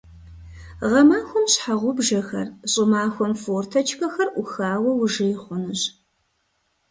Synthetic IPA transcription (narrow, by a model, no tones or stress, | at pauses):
ʁɐmaːxʷɔmɕħaʁʷʊbʒɐxɐ̰rɕʼɪmaːxʷɔmfoːrtʰɐt͡ʃʰxɐxɐrʔʊxaːwɐwʊʒɪjχʷʊnɨɕ